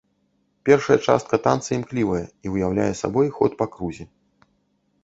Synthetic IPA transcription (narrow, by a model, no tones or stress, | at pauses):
pʲɛrʂɐjɐt͡ʂa̰st̪̚kɐt̪ant̪sɨimklʲivɐjɛiwjawlʲa̰jɛsa̰bɔjxɔt̪pakɾuzʲɛ